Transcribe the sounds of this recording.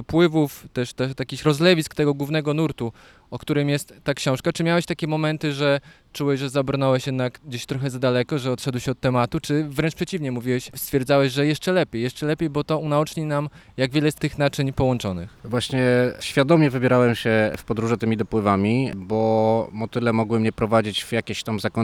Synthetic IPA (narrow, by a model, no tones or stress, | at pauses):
d̪ɔpwɘvuft̪ɛʂt̪ɛʂt̪jakʲiɕɾɔzlɛvʲiskt̪ɛɡɔɡwuvnɛɡɔnuɾt̪u | ɔk̚t̪uɾɘmjɛst̪ːakɕɔ̃w̃ʂkat͡ʂɘmʲjawɛɕt̪akʲɛmɔmɛnt̪ɘʐɛ | t͡ʂuwɛɕʐɛzabɾnɔwɛɕjɛd̪nakɡd͡ʑeɕt̪ɾɔxɛzad̪alɛkɔʐɛɔt̪ʂɛd̪wɕɛɔt̪ːɛmat̪ut͡ʂɘvɾɛnt͡ʂpʂɛt͡ɕivɲɛmuvʲiwɛɕst̪fʲjɛɾd̪zawɛʑʐɛjɛʂt͡ʂɛlɛpʲjejɛʂt͡ʂɛlɛpʲejbɔt̪ɔunaut͡ʂɲinamjaɡvʲɛlɛst̪ːɘxnat͡ʂɘɲpɔwɔnt͡ʂɔnɘ̰xvwaɕɲɛɕfʲad̪ɔmʲjɛvɘbʲjɛɾawɛmɕɛfpɔd̪ɾuʐɛt̪ɘmʲid̪ɔpwɘvamʲibɔmɔt̪ɘlɛmɔɡwɘmɲɛpɾɔvad͡ʑit͡ɕvjakʲeɕt̪amzakɔ